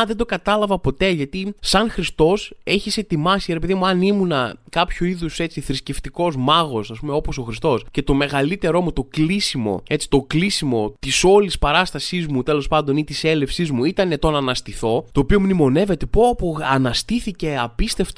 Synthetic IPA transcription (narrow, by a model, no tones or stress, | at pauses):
ðed̪o̞kɐt̪ɐlɐvɐpo̞t̪e̞ʝɐt̪isɐnxɾist̪o̞se̞çise̞t̪imɐsiɾe̞pe̞ðimuɐnimunɐkɐpçoiðuse̞t͡siθɾisceft̪iko̞zmɐɣo̞sɐspume̞o̞poso̞xɾist̪o̞sce̞t̪o̞me̞ɣɐlit̪e̞ɾo̞mut̪o̞klisimo̞̰e̞t͡si̥t̪o̞klisimo̞t̪iso̞lispɐɾɐst̪ɐsizmut̪e̞lo̞spɐnd̪o̞nit̪ise̞lefsizmuit̪ɐne̞t̪o̞nɐnɐst̪iθo̞t̪o̞ːpiomnimo̞ne̞ve̞t̪e̞popoɐnɐst̪iθice̞ɐpist̪e̞ft̪